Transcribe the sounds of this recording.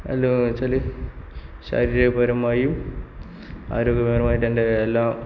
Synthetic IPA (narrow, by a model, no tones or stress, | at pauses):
ɐ̰lːot͡ɕɐli | ɕa̰ːɾiːɾepɐɾɐmːaːjum | a̰ːɾoːɡjɐmeːrɐmaːjiʈːɐndeelːaːm